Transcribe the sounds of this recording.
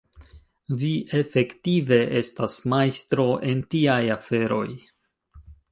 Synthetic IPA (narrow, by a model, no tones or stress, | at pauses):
viʔe̞fe̞ktive̞ʔe̞stasmajstɾo̞ʔe̞ntiajafe̞ɾo̞̰j